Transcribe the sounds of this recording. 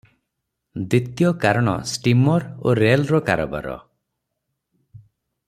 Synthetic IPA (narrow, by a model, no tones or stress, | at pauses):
d̪it̪jɔkaɾɔɽ̃ɔ̰sʈimɔɾoɾelɾɔkaɾɔba̰ɾɔ̰